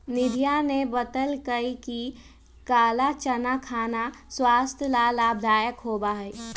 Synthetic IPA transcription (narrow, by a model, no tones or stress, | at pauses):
nɪd̪ʱijanebət̪əlkəiki | kaːlat͡ʃənakʰaːnaswast̪ʰjəlalab̚d̪ʱaːjəkɦobaɦəj